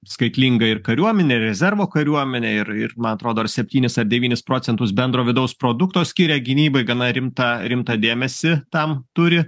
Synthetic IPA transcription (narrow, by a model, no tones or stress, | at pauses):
skɐɪt̪ʲlʲiŋɡɐɪrkɐɾʲuɔmʲɛnʲeːɪrɾʲɛzʲɛɾʋoːkɐɾʲuɔmʲɛnʲeːɪɾɪrmɐnɐt̪ɾoːd̪oːɐɾsʲɛpʲt̪ʲiːnʲɪsɐrd̪ʲɛʋʲiːnʲɪspɾoːsʲɛnt̪ʊsbʲɛnd̪ɾoːʋʲɪd̪ɐʊspɾoːd̪ʊkt̪oːsʲkʲiːɾʲɛɡʲɪnʲiːbɐɪɡɐnɐɾʲɪmt̪ɑɾʲɪmt̪ɐd̪ʲeːmʲɛsʲɪt̪ɐmt̪ʊɾʲɪ